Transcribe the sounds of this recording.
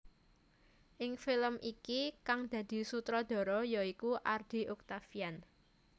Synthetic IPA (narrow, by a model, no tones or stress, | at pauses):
ʔɪŋfɪləmʔikikaŋd̪̥ä̤d̪̥i̤sut̪ɾɔd̪̥ɔ̤ɾɔjɔikuʔard̪̥i̤ʔʊk̚t̪afijan